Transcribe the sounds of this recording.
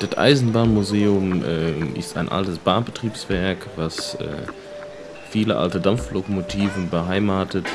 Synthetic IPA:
d̥atʔa̰ɪzn̩baːnmuzeːʊmʔɛːɪ̰sta̰ɪnʔa̰ltəsb̥aːbətʁ̥iːpsv̥ɛɐkvasɛ̰ː | fiːləʔa̰ltədamflokomotʰiːvn̩bəɦaɪmaːtət

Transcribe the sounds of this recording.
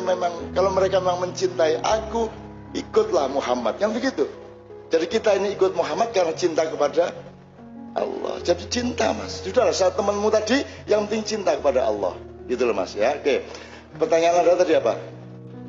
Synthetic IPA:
memaŋkaloməɾekamemaŋməɲt͡ʃint̪aiʔa̰ku | ikʊt̪̚lahmuɦama̰t̪̚jaŋbəɡit̪u | d͡ʒadikit̪ainiːkʊt̪̚muɦamat̪̚karnat͡ʃint̪akəpada | ʔɑ̰lːɔ̰hd͡ʒadit͡ʃint̪a̰ma̰ssudalahsat̪ːəmənmut̪adi | jaŋpənt̪ɪŋt͡ʃint̪akəpadaʔɑ̰lːɑ̰h | ɡit̪ulama̰sjake | pərt̪aɲanadat̪adiapa̰

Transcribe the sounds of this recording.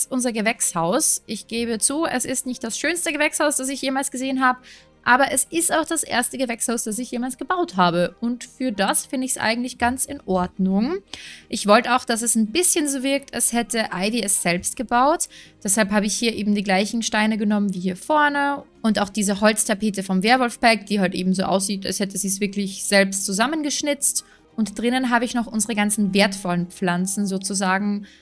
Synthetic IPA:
ʔʊnzɐɡəvɛkshaʊsʔɪçɡ̥eːbət͡suːɛ̰sɪstnɪçt̚d̥asʃøːnstəɡəvɛkshaʊsd̥as̬ɪçjeːmaːlsɡ̥əzeːənɦaːbə | ʔaːbɐʔɛsʔɪstaʊxd̥asʔḛːɐstəɡəvɛkshaʊsd̥as̬ɪçjeːmaːlsɡ̥əbaʊthaːbəʔʊntfyːɐdasfɪndəɪçsʔa̰ɪɡŋ̩tlɪçɡ̥ant͡sɪnʔɔɐdnʊŋʔɪçv̥ɔltəaʊxd̥as̬ɛsnbɪsçənzoːvɪɐk̚tɛshɛtʰəʔaɪviɛsz̥ɛlpst̚ɡ̥əbaʊtd̥ɛshalpɦaːbəɪçhiːɐʔeːbm̩diːɡlaɪçn̩ʃtaɪnəɡənɔmənviːhiːɐfɔɐnəʔʊntaʊxd̥iːzəhɔlt͡stʰapeːtəfɔmveːɐvɔlfb̥ɛɐk̚d̥iːhaltʔḛːbm̩zoːʔa̰ʊsz̥iːta̰lshɛtəziːs̬v̥ɪɐklɪçz̥ɛlpstt͡suzamənɡəʃnɪt͡st | ʔʊntd̥ʁɪnənɦaːbəɪçnɔχʔʊnzəʁəɡant͡sn̩veːɐtfɔlənp͡flant͡sn̩zoːt͡suzaːɡŋ̩

